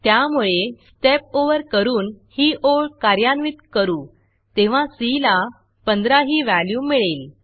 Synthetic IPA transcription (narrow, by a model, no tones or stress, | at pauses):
t̪jamuɭesʈep̚oʋəɾkəɾuːnhiːʔoɭkaɾjanʋit̪kəɾuː | t̪eʋ̤ãsila | pənd̪ɾaɦiːʋæljuːmiɭel